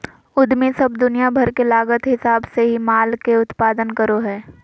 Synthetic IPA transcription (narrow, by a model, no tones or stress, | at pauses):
ʊd̪misɐbd̪ʊnijabʱɐɾkelaːɡət̪ɦɪsaːbseɦimaːlkeʊt̪paːd̪ənkəɾoɦɛː